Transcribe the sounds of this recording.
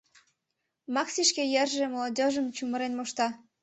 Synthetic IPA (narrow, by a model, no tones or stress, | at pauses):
mɑksiʃkejerʒĕmolodʲoʒə̆mt͡ɕumə̆ɾenmoʃt̪ɑ